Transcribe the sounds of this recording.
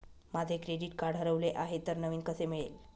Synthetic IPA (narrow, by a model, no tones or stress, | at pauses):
mad͡zʱekɾeɖiːʈkaɽ̤ɦəɾəʋleʔaɦet̪əɾnəʋiːnkəsemiɭel